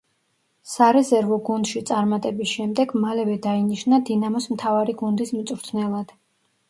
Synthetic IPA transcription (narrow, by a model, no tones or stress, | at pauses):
saɾɛzɛɾvɔɡund̪̥ʃit̪sʼaɾmat̪ʼɛbisʃɛmd̪ɛɡmalɛvɛd̪ainiʃnad̪inamɔsmt̪ʰavaɾiɡund̪ismt̪sʼɾt̪ʰnɛlˠad̪̥